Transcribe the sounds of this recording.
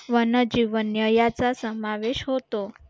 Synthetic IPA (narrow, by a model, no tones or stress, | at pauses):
ʋənəd͡ʑiʋənjəjat͡sasəmaʋeʃɦot̪o